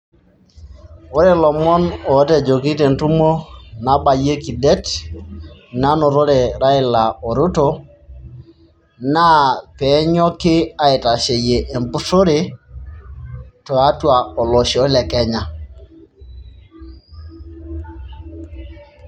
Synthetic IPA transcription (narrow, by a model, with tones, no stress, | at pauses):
o˦ɾɛ˦lɔ˨mɔ˦nɔ˨˦te˨d͡ʒo˨ki˦te˨ntu˦mo˦na˨ba˨je˦ki˨de˦t | na˦nɔ˨ɾo˦ɾe˨ɾa˦ɪ˦˨la˨o˨ɾu˦to˨˦ | na˦pɛ˨˦ɲɔ˦kɪ˦a˨ɪ˨ta˨ʃe˨je˨ʔe˨mbu˦so˦ɾe˨ | tɔ˨a˦twa˨ɔ˨lɔ˨ʃɔ˦lɛ˨kɛ˦ɲa˨